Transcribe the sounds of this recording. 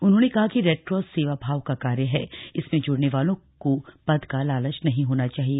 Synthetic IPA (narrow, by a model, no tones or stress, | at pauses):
ʊnɦõːnekɐɦakiɾɛːʈɾɔːsːeːʋabʱaːʋkakaːɾjəɦɛ̰ɪsmẽd͡ʒʊɽneʋaːlõkopɐd̪kalaːlə̃t͡ʃnɐɦĩɦoːnat͡ʃaːɦieː